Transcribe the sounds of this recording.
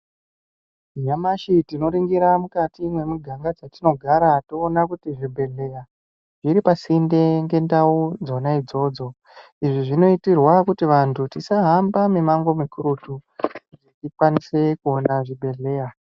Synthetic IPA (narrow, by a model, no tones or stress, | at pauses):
ijamaʃitino̞ɾiŋɡiɾamukatimwe̞muɡʱaŋɡad͡zatino̞ɡʱaɾatoːnakutiʐibʱe̞ɮe̞ja | ʐiɾipasinde̞ŋɡe̞ndaud͡zo̞naid͡zo̞ːd͡zo̞ | iʐiʐino̞itirwakutiʋantʰutisaɦambamemaŋɡo̞mikuɾutuʐetikwanise̞kuonaʐibʱe̞ɮe̞ːja